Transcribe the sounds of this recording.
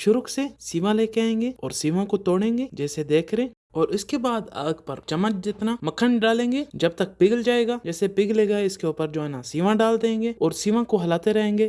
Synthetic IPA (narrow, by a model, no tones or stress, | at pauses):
ʃʊɾʊksesiːʋãleːkeaẽːŋɡeːɔːɾsiːʋãkot̪oːɽẽːŋɡeːd͡ʒɛːsed̪eːkʰɾẽ | ɔːɾʊskebaːd̪a̰ːɡpəɾt͡ʃɐmːət̪̚d͡ʒɪt̪naməkʰənɖaːlẽːŋɡeːd͡ʒɐb̚t̪ək̚pɪɡld͡ʒaːeːɡaːd͡ʒɛːsepɪɡleːɡaɪskeuːpəɾd͡ʒoːnãsiːʋãɖaːld̪ẽːŋɡeːɔːɾsiːʋãkoɦɐlaːt̪eɾɛɦẽːŋ̆ɡeː